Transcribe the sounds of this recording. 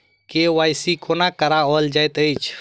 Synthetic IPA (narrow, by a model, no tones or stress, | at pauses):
kewajsikʰonakəɾaɔld͡ʒajt̪əjt͡ʃʰ